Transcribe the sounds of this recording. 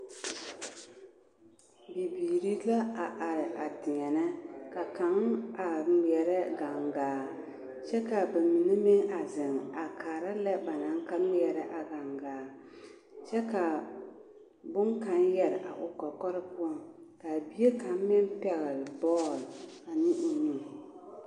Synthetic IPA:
bi˨biː˨ɾi˦la˦a˨ʔa˨ɾɪ˨ʔa˨tɪ˨ɲɛ˨nɨ˦ka˨ka˨˦ŋa˨m˨ɛ˨ɾɛ˦ɡa˨ŋɡaː˨ | t͡ʃɛ˦ka˨ba˨mi˨nɪ˦mɪ˦ŋa˨zɪ˨ŋa˨kaː˨ɾa˦lɛ˦ba˨na˨˦ŋ˦ka˦m˦ɛ˨ɾɛ˦ʔa˨ɡa˨ŋɡaː˨ | t͡ʃɛ˦ka˨ | bʊ˦ŋka˨˦n˦jɛ˦ɾɪ˨ʔa̰˨ʔʊ˨kɔ˨kɔ˦ɾɨ˦pʊ˦ɔ˦˨ŋka˨bi˦e˦ka˨m˦mɪ˦n˦pɛ˨ɣɪ˨ɾɪ˨bɔː˦˨l | a˨nɪ˦ʔʊ˨ɲu˦˨

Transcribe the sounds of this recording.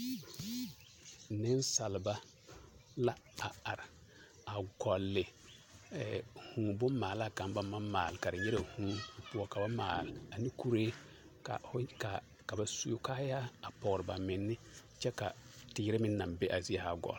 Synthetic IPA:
nɪ˦nsa˨lɪ˨ba˦ | la˦a˨a˨ɾɪ˨ | a˨ɡɔ˨lːɪ˨ | hũː˨bʊ˦mːaː˨la˦ka˨mba˦mː˦a˦mmaː˨lɪ˨ka˨ɾɪ˨ɲɛ˦ɾa˨hũː˦pu˦ɔ˦ka˨ba˦maː˨lɪ˨a˨ni˦ku˦ɾeː˦ | ka̰˨fʊ˦ka˨ | ka˨ba˨su˦kaː˦ja˦a˨pɔ˨ɣɾɪ˨ba˨mɪ˨nːɪ˦ | t͡ʃɛ˦ka̰˨tɪː˦ɾɪ˦mɪ˦nː˦a˨mbe˦ʔa˨zi˦a˦ha˨ɡɔ̰˨l

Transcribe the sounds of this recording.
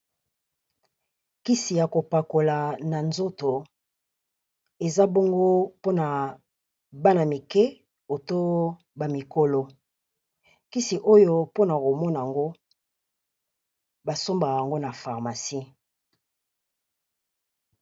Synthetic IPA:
ki˦si˨ja˨ko˨pa˨ko˨la˨na˨nzo˦to˨ | e˨za˦bɔ˦ŋɡo˦po˦na˨ | ba˦na˨mi˨kɛ˦ | o˨to˦ | ba˨mi˨ko˦lo˦ | ki˦si˨ʔo˦jo˦po˦na˨ko˨mɔ˦na˨a˨ŋɡo˦ | ba˨so˦mba˨wa˨ŋɡo˦na˨fa˨ʁma˨si˦

